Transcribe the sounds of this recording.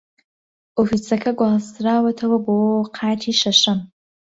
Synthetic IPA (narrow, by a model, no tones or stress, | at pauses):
ofisakʰaɡʷasrawatʰawabowwqʰaːtʰiʂaʂɨm